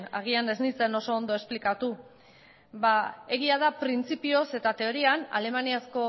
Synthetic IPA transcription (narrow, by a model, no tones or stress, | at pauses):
a̰ɣ̞iane̞znit͡seno̞so̞ːnd̪oe̞splikat̪u | bae̞ɣ̞iað̞apɾint͡sipio̞se̞t̪at̪e̞o̞ɾiana̰le̞maniasko̞